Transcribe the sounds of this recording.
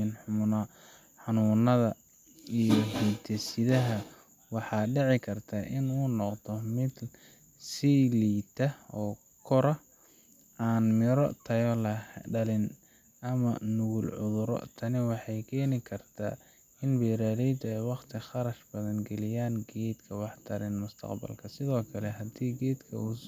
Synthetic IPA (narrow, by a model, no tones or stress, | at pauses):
nħʊmʊnɐ | ħɑnuːnɐðɐ | ijɔɦit̪ʰɛsɪðɐɦɐ | wɑħɑːɖɛʕɪkʰɐrt̪ʰaʔɪnuːnɔqt̪ʰɔmɪd̪ | siliːt̪ʰɐɔː | kʰɔɾɐ | aːnmɪɾɔ̰t̪ʰɐjɔlɐɖɐlɪn | ɐmɐ̰nʊɣʊlʕʊ̰ðʊɾɔ̰t̪ʰɐnɪwɑħɑjkʰɛːnɪkʰɐrt̪ʰa̰ː | ɪnbɛːɾaːðɛjd̪ɛjwɑqt̪ʰɪχɑɾɐʃbɐðɐnɡɛlɪjaːnɡɛːd̪kʰɐwɑħt̪ʰɐɾɪnmʊst̪ʰɐ̰qbɐ̰lkʰɐsɪðɔːkʰɐlɛɦɐd̪iːɡɛːd̪kʰɐ̰uː